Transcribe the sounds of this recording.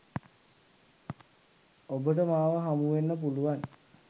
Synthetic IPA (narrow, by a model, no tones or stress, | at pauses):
obəʈəmaːʋəɦamuʋenːəp̬uluʋan